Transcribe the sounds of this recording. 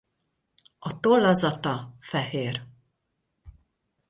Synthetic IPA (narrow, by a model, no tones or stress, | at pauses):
ɒt̪olːɒzɒt̪ɒfɛɦeːr